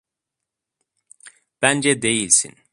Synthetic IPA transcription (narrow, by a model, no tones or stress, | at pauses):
b̥ænd͡ʒɛd̪e̞jilʲsḭn